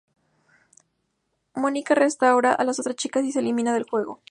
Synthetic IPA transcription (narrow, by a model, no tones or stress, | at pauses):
mo̞nikarest̪awɾaʔalaso̞t̪ɾast͡ʃikasiselimĩnaðe̞lxwe̞ɣo̞̰